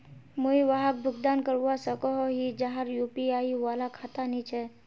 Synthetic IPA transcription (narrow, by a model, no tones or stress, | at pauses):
muiʋaɦək̚bʱʊɡd̪aːnkəɾwasəkɔɦoɦid͡ʒaɦaɾjuːpiaːiʋaːlakʰat̪anit͡ʃʰɛ